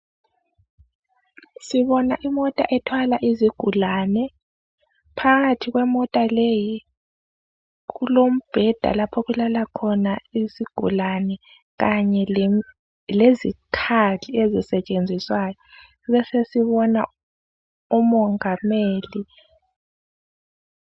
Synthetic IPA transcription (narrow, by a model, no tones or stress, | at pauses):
siβɔnaʔimɔtʼaʔɛtʰwalaʔiziɡ̥ʱulanɛ | pʰaɣatʰiɣwɛmɔtʼaleji | ɣulom̩b̥ʱɛd̥ʱa̰lapʰɔɣulalakʰɔnaisiɡ̥ʱṵlanɛ | ɣaɲɛ | lezikʰaliezisɛt͡ʃʼend͡zʱiswaːjɔ | βɛsesiβɔna | umɔŋameːli